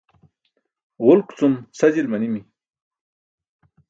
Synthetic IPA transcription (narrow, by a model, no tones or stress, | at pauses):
ʁʊlkt͡sunsɐd͡ʑilmɐnimi